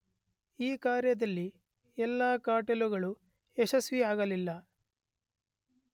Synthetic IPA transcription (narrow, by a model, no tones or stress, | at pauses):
iːkaːɾjɐd̪ɐlːi | ɛlːaːkaːʈeluɡɐɭu | eʃɐsʋiaːɡɐlilːɐ